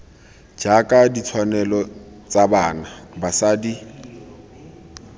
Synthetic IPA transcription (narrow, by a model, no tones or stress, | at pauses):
d͡ʒakʼadit͡sʰwanɛlɔt͡sʼabaːnabasadi